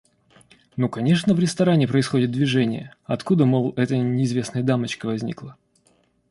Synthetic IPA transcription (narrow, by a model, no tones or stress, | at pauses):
nukɐnʲeʂnəvɾʲɪst̪ɐɾanʲɪpɾəɪsxo̞dʲɪt̪̚d̪vʲɪʐɛnʲɪjə | ɐt̪kud̪əmolˠɛt̪ənʲɪɪzvʲe̞snəjəd̪amət͡ɕkəvɐzʲnʲḭklˠə